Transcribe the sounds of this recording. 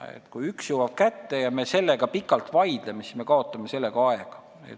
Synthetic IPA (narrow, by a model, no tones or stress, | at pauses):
ḛt̪ːkujyksjuwɑb̥̚kæt̪ːe̞jɑmese̞lːe̞ɡ̥ɑpikːɑlt̪vɑjd̪̥lemesi̥sme̞kɑo̞t̪ːˑɑmese̞lːeɡ̥ɑɑeɡ̥ɑ̥ | ḛt̪